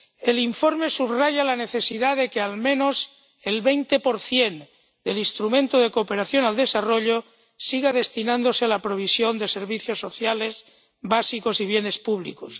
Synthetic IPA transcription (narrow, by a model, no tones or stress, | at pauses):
e̞liɱfo̞ɾme̞suβraʝalane̞θe̞siðaðe̞kealmẽ̞no̞s | elβejnt̪e̞po̞ɾθje̞n | d̪e̞lĩnst̪ɾumẽnt̪oð̞e̞koːpe̞ɾaθjonald̪e̞saro̞ʎo | siɣaðe̞st̪inãnd̪o̞sealapɾo̞β̞isjo̞nd̪e̞se̞ɾβiθjo̞sːo̞θjale̞s | βasiko̞siβ̞je̞ne̞spuβ̞lḭkos